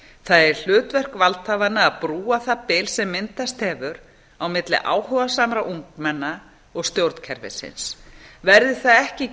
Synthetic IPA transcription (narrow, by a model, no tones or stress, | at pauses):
θaðɛɾ̥l̥ʏːt̪vɛr̥kvalt̪havanːaːðpɾuːaθapɪːlsɛmːɪnt̪ast̪hɛːvʏɾ | awmɪt̪lɪ̰ʔa̰ːwhœvasamɾaʔuŋkmɛnːa | ɔɣst̪jowɾt̪n̥cʰɛɾvɪ̰sɪ̰nsvɛɾðɪθaðɛhcɪ